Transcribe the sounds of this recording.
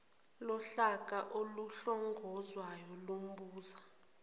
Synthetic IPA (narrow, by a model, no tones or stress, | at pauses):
lɔɬak̬ʼaʔoluɬɔŋɡʱɔzwajɔlom̩ɓuːza